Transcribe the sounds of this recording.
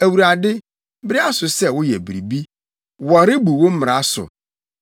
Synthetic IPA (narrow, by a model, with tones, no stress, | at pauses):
æ˨wu˨ɾa˨dɪ˦ | bɪ˦ɾɪ˦a˦sʊ˨sɛ˦˨wʊ˦jɛ̰˨bi˨ɾi˨bi˦ | wɔ˨ɾɪ˦bu˨wo˦m̩˦mɪ˨ɾa˨˦sʊ̰˨